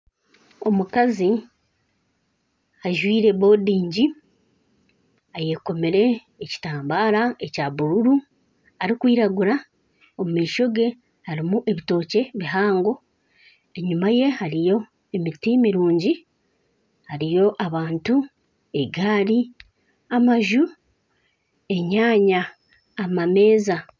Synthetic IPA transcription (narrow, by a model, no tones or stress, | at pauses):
o̞mukazi | aʒwiːɾe̞βo̞ːdiːɲɟi | aje̞ko̞meɾe̞ː | ci̥taːmbaːɾaecaβuɾuɾu | aɾikwiːɾaɡuɾa | omumiːʃo̞ɡe̞ | haɾimuʔe̞βito̞ːce̞βiɦaːŋɡo̞ | e̞ɲumaje̞haɾijo̞ | emitimiɾuːɲɟi | haɾijo̞ʔaβaːntu | e̞ɡaːɾi | amaʒu | e̞ɲaːɲaː | mame̞ːza